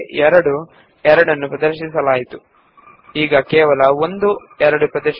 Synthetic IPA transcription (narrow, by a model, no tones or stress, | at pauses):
ɛɾɐɽu | ɛɾɐɽɐnːupɾɐd̪ɐɾʃisɐlaːjit̪u | iːɡɐkɛːʋɐlɐo̞nd̪u | ɛɾɐɽupɾɐd̪ɐɾʃ